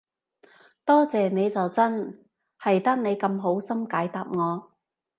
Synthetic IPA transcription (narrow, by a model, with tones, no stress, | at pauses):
t̪ɔː˥t͡sɛː˨ne˨˧jt͡sɐ˨wt͡sɐ˥n | hɐ˨jt̪ɐ˥k̚ne˨˧jkɐ˧mɦo˨˥wsɐ˥mkaː˨˥jt̪aː˨p̚ŋɔː˨˧